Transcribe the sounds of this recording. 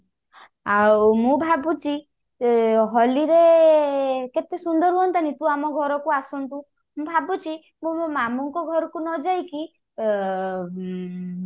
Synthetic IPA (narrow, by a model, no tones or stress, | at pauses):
awmũbʱabut͡ʃi | ɦɔliɾe | ket̪esund̪ɔɾɦuɔnt̪anit̪ũamɔɡʱɔɾɔkuasɔnt̪u | mũbʱabut͡ʃi | mũmamɔŋkɔɡʱɔɾɔkunɔd͡ʒajki